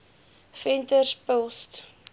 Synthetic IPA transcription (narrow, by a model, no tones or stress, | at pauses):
fɛntərspəlˠst